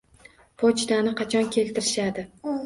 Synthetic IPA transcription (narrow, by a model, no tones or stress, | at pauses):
pʰot͡ʃd̪anɪqʰɑt͡ʃʰɒnkʲʰe̞lt̪ʰɪɾɪʃad̪ɪ